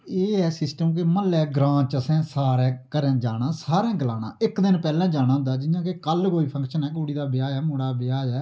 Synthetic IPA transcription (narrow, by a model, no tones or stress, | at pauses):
eːɛːsɪsʈəmk̬eməlːɛːɡɾãːt͡ʃəsɛ̃ːsaːɾɛ̃ːkəɾɛ̃ːd͡ʒaːnãːsaːɾɛ̃ːɡəlaːna̰ːɪkd̪ɪnpɛːlɛ̃ːd͡ʒaːñãːnd̪aːd͡ʒɪjãːkekəlkoːiːpʰə̃ŋkʃənɛːk̬oːɽiːd̪aːbɪjaːɛːmoːɽaːbɪjaːd͡ʒɛː